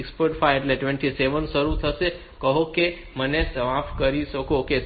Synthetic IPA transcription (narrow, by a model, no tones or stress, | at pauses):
kspoɾʈfajeʈleʈʋɛ̃ɳʈiseʋənʃəɾut̪ʰəʃe | kəɦoke | mənesəʋãfkəɾiʃəkoke